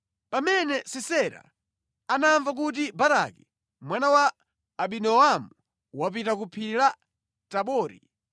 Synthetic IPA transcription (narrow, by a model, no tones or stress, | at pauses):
pamɛnɛsɛsɛɾa̰ | anaɱvak̬ut̬ibaɾa̰ki | mwanawaː | ɓinɔamu | wapitakupʰila | taɓɔːɾḭ